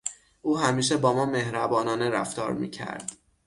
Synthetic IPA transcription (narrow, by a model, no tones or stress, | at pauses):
ʔuːɦæmiːʃ̬e̞bɒːmɒːme̞hɾæbɒːnɒːneɾæ̰ft̪ɒ̰ːɾmḭːcʰæ̰ɾd̪̥